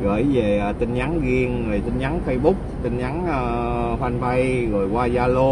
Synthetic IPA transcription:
ɣə̰ː˧˩jveː˨˩˨t̪ï˧ŋɲa˨˦ŋɣi˧əŋːɨ˨˩jt̪ï˧ŋ̟ɲa˨˦ŋfə˧jɓʊ˦˥k͡p̚t̪ï˧ŋ̟ɲa˨˦ŋəː˧ | hwa˧nva˧jɣo˨˩jkwaː˧zaː˧lo˧

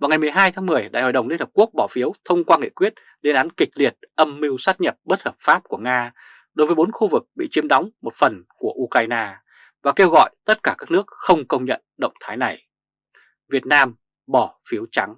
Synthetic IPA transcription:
vaː˨˩wŋa˨˩jm˨˩əjɦaː˧jt̪ʰaː˨˦ŋmɨ˨˩əjɗa̰ː˧˨jho̰ː˨˩jɗə˨˩wŋ͡mli˧nhə˨˩p̚ku˦˥ək̚ɓɔ˧˩fi˨˦əwt̪ʰə˧wŋ͡mkwaː˧ŋḭ˧˨kwi˦˥ət̚ | le˧nʔaː˨˦nkï˨˩k̟̚li˨˩ət̚ʔə˧mːi˧wsaː˦˥t̚ɲə˨˩p̚ɓə˦˥t̚həː˨˩p̚faː˦˥p̚ku˧˩əŋaː˧ | ɗo˨˦jvːjɓo˨˦nxu˧vɨ˨˩k̚ɓḭ˧˨t͡ɕi˨˦əmɗɔ˨˦wŋ͡mmo˨˩t̚fə˨˩nku˧˩əʔu˧kaː˧jnaː˧ | vaː˨˩ke˧wɣɔ̰˧˨jt̪ə˦˥t̚kaː˧˩kaː˦˥k̚nɨ˦˥ək̚xə˧wŋ͡mkə˧wŋ͡mɲə̰˧˨nɗə̰˧˨wŋ͡mt̪ʰaː˨˦jna˨˩j | vi˨˩ət̚naː˧m | ɓɔ˧˩fi˨˦əwt͡ɕa˨˦ŋ

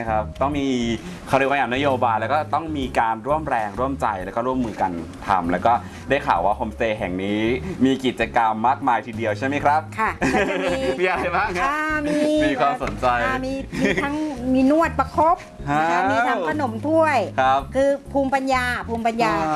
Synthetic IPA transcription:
a˥˩kʰɾa˦˥p̚t̪ɔ˥˩ŋmiː˧ | kʰa˦˩ɾi˧˦˥wa˧˩jaː˨˩na˦˥joː˧baː˧jlɛ˦˥wkɔː˥˩t̪ɔ˥˩ŋmiː˧kaː˧nɾu˥˩əmɾɛː˧ŋɾu˥˩əmt͡ɕa˧jlɛː˧˦˥wkɔː˥˩ɾu˥˩əmːɯː˧ka˧nt̪ʰa̰˧mlɛː˦˥wkɔː˥˩ | daː˥˩jkʰa̰ː˨˩waː˥˩kʰo˧mseː˧˩ɦɛ˨˩ŋniː˦˥miː˧ki˨˩t̪̚t͡ɕa˧ka˧mːaː˥˩k̚maː˧jt̪ʰiː˧di˧əwt͡ɕʰa˥˩jma˦˥jkʰɾa˦˥p̚kʰa˥˩ | miː˧ʔa˧ɾa˧jbaː˥˩ŋkʰa˧mi˧miː˧kʰwaː˧so˩˦nt͡ɕa˧jmiː˧miː˧a˦˥ŋmiː˧nu˥˩ət̪̚pa˧kʰo˦˥p̚ | ha˧˥˩miː˧t̪ʰa˦˥ŋkʰa˧no˩˦mt̪ʰu˥˩əjkʰɾa˦˥p̚kʰɯː˧pʰuː˧mpa˧njaː˧pʰuː˧mpa˧njaː˧

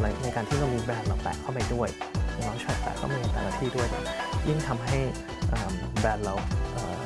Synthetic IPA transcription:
la˧˩na˧jkaː˧nt̪ʰiː˥˩ɾa˧wmiː˧bɛː˧nlaː˨˩kpa̰ː˨˩kʰa˥˩wpa˧jdu˥˩əjʰ | nɔː˧˥ŋt͡ɕʰa˧˥˩pɛ̰ː˧˩kʰːɔ̰ː˥˩miː˧a˧t̪ɛ̰ː˨˩naː˥˩t̪ʰiː˥˩du˥˩əjna̰˨˩ji˥˩ŋt̪ʰa˧mɦa˥˩j | ʔaː˨˩mbɛː˧nɾa˧wʔəː˨˩

